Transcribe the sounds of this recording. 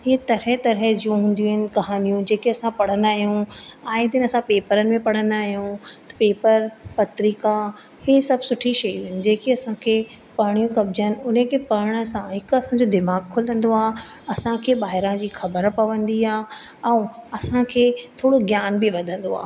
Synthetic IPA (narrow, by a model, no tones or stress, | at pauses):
ɦɪt̪ɐɾɛt̪ɐɾɦɛd͡ʑijũɦũːn̆d̪iũːɦɪnɪ̆kɐɦaːnijũd͡ʑeːkiɐsãpɐɽ̤ə̃nd̪aːɦijũaːɪd̪ɪnɪɐsãpeːpəɾənɪ̆mẽpɐɽ̤ə̃nd̪aːɦijũt̪ɐ̥peːpəɾpɐt̪ɾiːka | hesɐbʱsʊʈʰiʃɐjũɦɪnɪ̆d͡ʑeːkiɐsãkʰeː | pɐːɽ̃ijũkɐb̚d͡ʑənɪ̆ʊnəkʰepɐɽ̃ə̆sãɦɪkɐsãɲd͡ʑod̪ɪmaːɡkʰʊlə̃nd̪oaː | ɐsãkʰeːbaːɦɪɾãd͡ʑiːxɐbəɾpɐʋə̃nd̪iaː | ɛ̃ːɐsãkʰeːt̪ʰoːɽoɡjaːnbɪʋɐd̪ʱə̃nd̪oa̰ː